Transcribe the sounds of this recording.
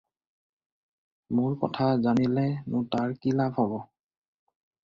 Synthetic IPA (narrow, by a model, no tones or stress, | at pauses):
mʊɹkɔ̰tʰazanilɛnʊtaɹkilaphɔbɔ